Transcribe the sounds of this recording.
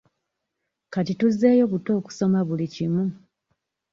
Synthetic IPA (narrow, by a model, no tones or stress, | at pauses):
katituzːe̞ːjo̞βuto̞ːku̥so̞maβulicimu